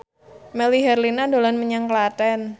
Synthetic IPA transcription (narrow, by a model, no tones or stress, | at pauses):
mɛliɦɛrlinandolɔnməɲaŋklatɛn